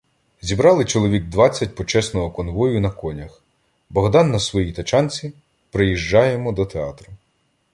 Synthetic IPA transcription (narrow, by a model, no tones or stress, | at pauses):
zʲibɾɑlˠɪt͡ʃɔlˠɔʋʲiɡ̚d̪ʋɑt͡sʲːɐt̚ʲpɔt͡ʃɛsnɔɦɔkɔnʋɔjʊnɐkɔnʲɐx | bɔɦd̪ɑnːɐsʋɔjit̪ɐt͡ʃɑnʲt͡sʲi | pɾɪjiʒd͡ʒɑjemɔd̪ɔt̪eɑ̰t̪ɾɐ